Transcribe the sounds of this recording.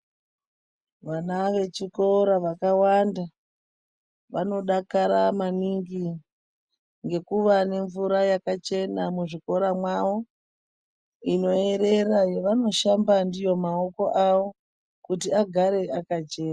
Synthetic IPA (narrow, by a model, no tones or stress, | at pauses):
ʋanaʋe̞t͡ʃiko̞ɾaʋakawanda | ʋano̞ɗakaɾamaniŋɡi | ŋɡe̞kuʋane̞ɱvuɾajakat͡ʃe̞namuʐiko̞ɾamwaʋo̞ | ino̞e̞ɾe̞ɾajeʋano̞ʃambandijo̞mao̞ko̞ʔaʋo̞ | kutiaɡʱaɾe̞akat͡ʃe̞ːna